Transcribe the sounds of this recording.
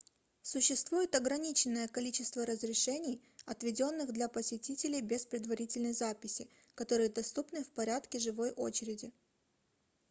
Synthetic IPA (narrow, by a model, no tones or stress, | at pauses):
sʊɕːɪst̪vujɪt̪ɐɡɾɐnʲit͡ɕɪnːəjəkɐlʲit͡ɕɪst̪vəɾəzɾʲɪʂɛnʲɪjɐt̪vʲɪdʲo̞nːɨɣd̪lʲɐpəsʲɪtʲitʲɪlʲɪjbʲɪspɾʲɪd̪vɐɾʲitʲɪlʲnəjzapʲɪsʲɪ | kɐt̪o̞ɾɨjəd̪ɐst̪upnɨfpɐɾʲat̪kʲɪʐɨvo̞jʔo̞̰t͡ɕɪɾʲɪdʲɪ